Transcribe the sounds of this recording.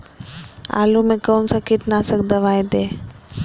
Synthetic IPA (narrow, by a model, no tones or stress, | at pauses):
a̰lumẽkoːnsəkiʈ̪nasək̚d̪əʋajd̪e